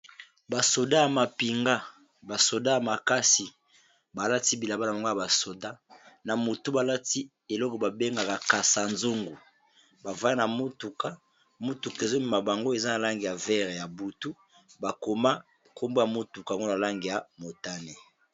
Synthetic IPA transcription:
ba˨so˨da˦ja˨ma˨pi˨ŋɡa˦ | ba˨so˨da˦ja˨ma˨ka˦si˨ | ba˨la˦ti˦bi˨la˨ba˦na˨ma˨ŋɡo˦ja˨ba˨so˨da˦na˨mo˨tu˦ba˨la˦ti˦ | e˨lɔ˦kɔ˨ba˨be˦ŋɡa˨ka˨ka˨sa˨nzo˦ŋɡu˨ | ba˨va˦na˨mo˦tu˨ka˦ | mu˦tu˨ke˨zo˦mi˦˨ma˨ba˨ŋɡo˦e˨za˦na˨la˦ŋɡi˨ja˨vɛ˦ʁe˨ja˨bu˨tu˦ | ba˨ko˨ma˦ | kʰo˦mbo˦ja˨mo˦tu˨ka˨a˨ŋɡo˦na˨la˦ŋɡe˨ja˨mo˨ta˦ne˨

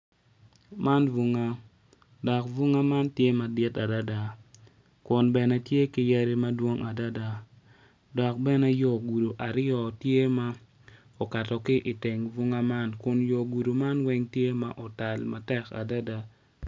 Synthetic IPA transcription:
ma˦nvu˦ŋa˦ | dɔ˨kvu˦ŋa˦ma˦ntje˦ma˨dɪ˦ta˨da˦da˨ | kʊ˨nbɛ˨nɛ˦tje˦ki˦ja˦ɾi˦ma˦dwo˦ŋa˨da˦da˦ | dɔ˨k̚bɛ˦nɛ˦jɔ˨ɡu˨do˨ʔa˨ɾjɔ˨tje˦ma˦ | ɔ˨ka˨tɔ˨kɪ˦ʔi˨tɪ˨ŋvu˦ŋa˦ma˦nkʊ˨njɔ˨ɡu˨du˨ma˦nwɛ˦ŋtje˦ma˦ʔɔ˨ta˨lma˨tɛ˦ka̰˨da˦da˦

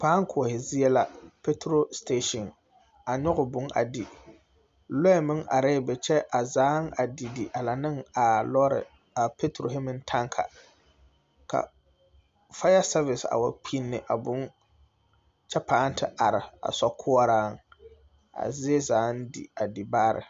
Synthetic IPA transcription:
paː˨˦ŋ˦kʰʊ˨hɪ˨zɪ˦ɛ˦la˦pe˦tɾo˦ste˦ʃɔ˨n | a˨ɲɔ˦ɣʊ˨bʊ˨˦ŋʔa̰˨di˨ | lɔ˦ɛ˨mɪ˦ŋʔa̰˨ɾɛ˦˨bɛ˨t͡ʃɛ˦ʔa˨zaː˨˦ŋa˨di˨di˨ʔa˨la˨nɨ˦ŋa˨lɔ˦ɾɪ̰˨ | a˨pe˦tɾo˨ɦɪ˦mɪ˦ntʰa˦ŋkʰa̰˨ | ka̰˨ | fa˦ja˦sa˦vɪ˨sa̰˨wa˨k͡pʰi˦nːɨ˨ʔa˨bʊ˦n | t͡ʃɛ˦paː˨˦n˦tʰɪ˦ʔa˨ɾɪ˨a̰˨sɔ˦kʰʊ˦a˦ɾaː˦ŋ | a̰˨zɪ˦ɛ˦zaː˨˦n˦dḭ˨a˨di˨baː˦ɾɪ̰˨

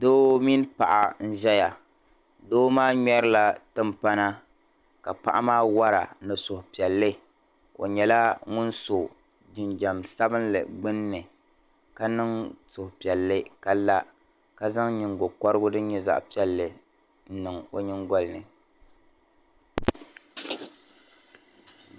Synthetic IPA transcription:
doː˦mi˦n˦pa˨ʔa̰˨n̩˦ʒɛ˦ja˨ | doː˦maː˦ɲɛ˦ɾɨ˦la˦tɨ˦mpa˦na˦ | ka˨pa̰˨ʔa̰˦maː˦wa˦ɾa̰˨nɨ˨sʊ˨hʊ˨pi˨ɛ˨lːɨ˦ | o̰˨ɲɛ˨la˦ŋʊ˦nso˨ | d͡ʒɪ˨nd͡ʒa˨msa˦bɨ˦nlɨ̰˨ɡ͡bɨ˦nːɨ˨ | ka˦nɨ˦ŋsʊ˨hʊ˨pi˨ɛ˨lːɨ˦ka˦la˦ | ka˦za˦ŋɲɪ˨ŋɡo˨kɔ˦ɾɨ˦ɡʊ˦dɨ˦ɲ˦ɲɛ˦za̰˦ʔpi˦ɛ˦lːɨ˨ | n̩˦nɨ˨ŋo˦ɲɪ˦ŋɡɔ˦lnɨ˨

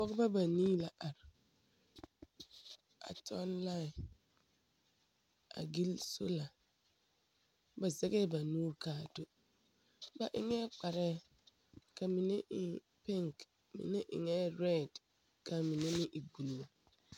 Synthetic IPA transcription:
bɔ˦ɡba˦ba˨niː˦la˨ʔa˨ɾɪ˨ | a̰˨tɔ˦nla˦˨ | a̰˨ɡi˦lso̰˦la˨ | ba˨zɛ˦ɡɛ˦ba˨nuː˦ɾkaː˨to˨ | ba˨ʔɪ̰˨ŋɛ˦k͡pa˨ɾɛ˦ | ka˨mi˨ne˦ɪ˨ | pɪ˦ŋk | mɪ̰˨nɛ˦ʔɪ̰˨ŋɛ˦ɾɛ˦˨d | ka˨mi˨ne˦nɪ˦ʔi˨ɡu˨lu˨o˦

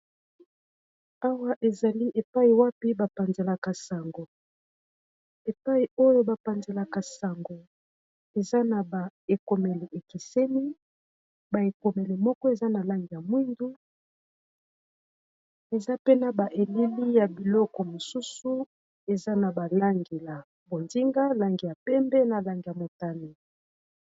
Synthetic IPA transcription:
a˦wa˦ʔe˨za˨li˦ʔe˨pa˦i˨wa˦pi˦ba˨pa˨nze˨la˨ka˨sa˨ŋɡo˨ | e˨pa˦i˨o˦jo˦ba˨pa˨nze˨la˨ka˨sa˨ŋɡo˨ | e˨za˦na˨ba˨e˨ko˨me˨le˨ʔe˨ki˨se˦ni˦ | ba˨e˨ko˨me˨le˨mɔ˦kɔ˦e˨za˦na˨la˦ŋɡi˨ja˨mwi˦ndu˦ | e˨za˦pe˦na˨ba˨ʔe˨li˦li˦ja˨bi˨lɔ˦kɔ˨mo˨su˦su˦ | e˨za˦na˨ba˨la˦ŋɡe˨la˨ | bo˨ndi˦ŋɡa˦la˨ŋɡi˨ja˨pɛ˦mbɛ˦na˨la˨ŋɡi˨ja˨mo˨ta˦ne˨

